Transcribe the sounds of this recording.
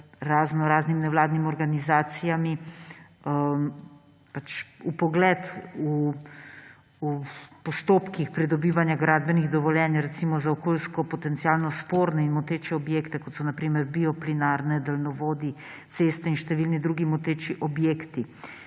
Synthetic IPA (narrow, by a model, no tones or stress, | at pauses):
ɾaːznɔɾaːznimnɛʋlaːd̪nimɔɾɡanizaːt̪sijami | pat͡ʃupɔɡlɛt̪u | upɔst̪oːpkixpɾid̪ɔbiːʋanjaɡɾad̪̚bɛniɣd̪ɔʋɔljɛːnjɾɛt̪simɔzaɔkoːlskɔpɔt̪ɛnt̪siaːlnɔspoɾnɛinmot̪eːt͡ʃɛɔbjeːkt̪ɛkɔt̪sɔnapɾiːmɛɾbiɔplinaɾnɛd̪əlnɔʋoːd̪i | t̪sest̪ɛinʃt̪ɛʋilnid̪ɾuɡimot̪eːt͡ʃiʔɔbjekt̪i